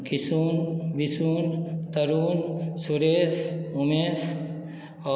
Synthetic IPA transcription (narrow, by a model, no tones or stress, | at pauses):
kisuːnʋisuːnt̪əɾuːnsuɾeːsumeːs | ɔ